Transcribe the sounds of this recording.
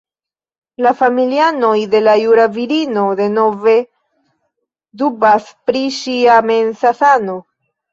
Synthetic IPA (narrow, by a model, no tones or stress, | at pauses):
lafamiliano̞jde̞lajuɾaviɾino̞de̞no̞ve̞ | dubaspɾiʃiame̞nsasano̞